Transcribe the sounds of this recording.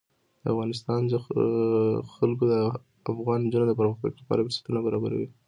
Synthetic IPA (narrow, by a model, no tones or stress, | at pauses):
d̪̥əa̰fɣɑnɪs̬t̪ɑnd̪ə | xalk̬od̪ə | afɣɑnd͡ʒunod̪əp̬aɾməxt̪a̰klapɑ̰ɾabeskunabaɾɑbaɾa̰wi